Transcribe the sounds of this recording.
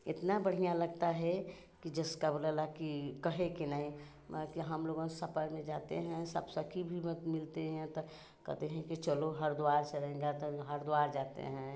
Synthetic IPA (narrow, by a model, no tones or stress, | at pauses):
ɪt̪nabəɽ̤ijalɐɡt̪aɦɛ | kid͡ʒɐskabləlakikɐɦekinaĩ | kiɦɐmloːɡõsəpəɾmẽd͡ʒaːt̪ḛɦɛ̃səbsəkʰibʱimət̪mɪlt̪eɦɛ̃t̪ɔ | kɐ̰ɦt̪eɦɛ̃kit͡ʃəloɦəɾd̪ʊwaːɾseɾɐɦẽɡat̪ɔɦəɾd̪ʊaːɾd͡ʒaːt̪ḛɦɛ̃